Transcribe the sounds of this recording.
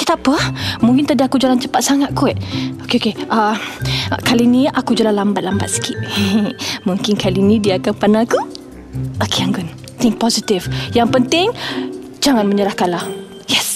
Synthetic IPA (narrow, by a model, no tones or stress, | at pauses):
kit̪apəamuŋkɪnt̪adiakud͡ʒalant͡ʃəpat̪̚saŋat̪̚kuɛʔokeokeʔə | kalinĩʔakud͡ʒalanlambat̪̚lambat̪̚sə̥kit̪̚ | muŋkɪnkalinĩdiakanpanaku | okeaŋɡɔn | t̪ɪŋ̚pɔzit̪ifjaŋpənt̪ɪŋ | d͡ʒaŋanməɲəɾahkanlah | jɛs